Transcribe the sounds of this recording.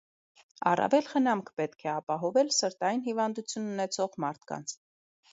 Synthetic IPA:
ɑ̰rɑ̰vɛlχənɑmkʰpɛt̪kʰɛɑpɑɦɔvɛlsəɾt̪ɑjinhivɑnd̪ut͡sʰjunːunɛt͡sʰɔʁmɑɾt̪ʰkɑ̰nt͡sʰ

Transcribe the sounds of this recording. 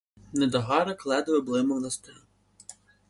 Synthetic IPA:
nɛd̪ɐɦɑɾɐklˠɛd̪ɐjɛblˠɪmɔwnɐst̪ɛ

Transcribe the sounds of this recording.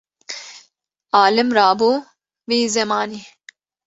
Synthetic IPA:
aːlɨmɾaːbuː | viːzɛmaːni

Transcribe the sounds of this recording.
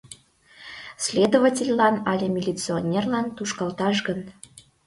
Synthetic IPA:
sʲlʲed̪ovətʲelʲlɑnɑlʲemʲilʲit͡sɨonʲerlɑnt̪uʃkɑlˠt̪ɑʃɡən

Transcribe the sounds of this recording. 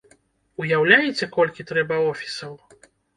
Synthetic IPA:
ujawlʲajɛt͡sʲɛkɔlʲkʲit̪ɾɛbɐɔfʲi̥sɐw

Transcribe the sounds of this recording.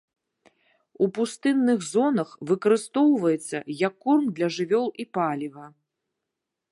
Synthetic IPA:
upust̪ɨnːɨɣzɔnɐxvɨkɐɾɨst̪ɔwvɐjɛt̪sːɐ̰jɐkːurmd̪lʲɐʐɨvʲɔlˠipalʲivɐ

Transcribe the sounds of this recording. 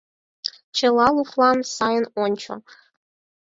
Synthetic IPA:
t͡ʃʰəlɑlˠuχlˠɑnsɑjənɔnʲt͡ʃʰo̰

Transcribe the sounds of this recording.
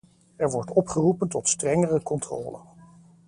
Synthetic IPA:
ɛɹʋɔɹtɔpχərupəntɔtstrɛŋərəkɔntrɔ̰ːlə̰

